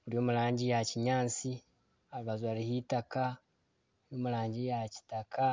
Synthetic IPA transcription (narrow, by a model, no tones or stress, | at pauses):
uɾio̞ːmuɾaːɲɟijaciɲaːt͡si | aɾuβazwaɾihitaka | jo̞ːmuɾaːɲɟijaci̥taka